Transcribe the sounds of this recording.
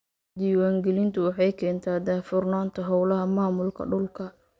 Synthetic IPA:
d̪iːwaːŋɡɛlɪnt̪ʰʊwɑħɑjkʰɛːnt̪ʰaːd̪aːfʊrnaːnt̪ʰɐɦɔwlɐɦɐmaːmʊlkʰɐ̰ɖʊlkʰɐ

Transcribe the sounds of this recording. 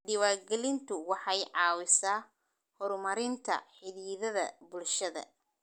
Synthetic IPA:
ɖɪwaːrɡɛlɪnt̪ʰʊwɑħɑjʕɑːwɪsaː | hɔɾmɐɾɪnt̪ʰɐ̰ħɪðiːðɐðɐ̰bʊlʃɐðɐ̰

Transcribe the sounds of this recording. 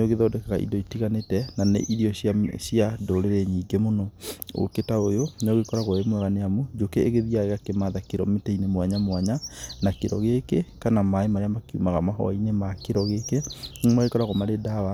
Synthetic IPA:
neoɣeðɔːdɛkaɣaʔḭdɔitiɣanetɛnanḛʔiɾiɔɕaɕjadoɾeɾeɲiːɡemonɔo̰ketaojonoɣekɔɾaɣɔemwɛɣaneamud͡ʒokeeɣeðiaeɣakemaðakeɾɔ̰meteinemwaɲamwaɲanakeɾɔ̰ɣekekanamaemaɾeamakiṵmaɣamaɦɔ̰inemakeɾɔɣekemaɣekɔɾaɣɔmaɾedawa

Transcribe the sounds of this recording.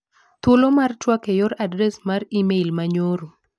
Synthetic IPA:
t̪ʊlomart͡ʃwakejɔɾadɾɛsmaɾimeilmaɲoɾo

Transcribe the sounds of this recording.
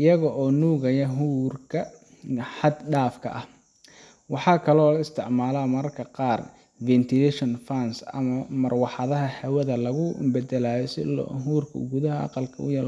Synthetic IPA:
ʔɪjɐɣɔʔɔːnuːɣɐjɐɦuːrkʰɐ | ħɑd̪ɖaːfkʰɐ̰ʔɐh | wɑħɑːkʰɐlɔːlɐɪst̪ʰɪʕmaːlamɐrkʰɐqɑːr | vɛnt̪ʰɪlɛʃɔnfɐnsɐ̰mɐmɐrwɑħɑðɐɦɐhɛwɐðɐlɐɣʊbɛd̪ɛlaːjɔsɪ̰l̰ːɦuːrkʰɐɡuðɐɦɐʔɑ̰qɑlkʰɐʊ̰jɐːl

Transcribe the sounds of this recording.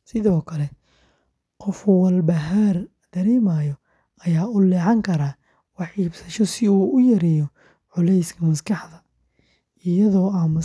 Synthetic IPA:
sɪðɔːkʰɐlɛ | qɔfwɐlbɐɦar | d̪̥ɐɾɛːmaːjɔ | ɐjaːʊlɛːʕɑŋkʰɐɾaː | wɑħiːbsɐʃɔsɪuːʔʊjɐɾɛːjɔ | ʕʊlɛjskʰɐmɐskʰɑħðɐ | ɪjɐðɔːɐmɐ

